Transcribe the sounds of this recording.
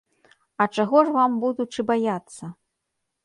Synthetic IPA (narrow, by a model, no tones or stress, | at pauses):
ɐt͡ʂaɣɔʐvambud̪ut͡ʂɨbajat̪sːɐ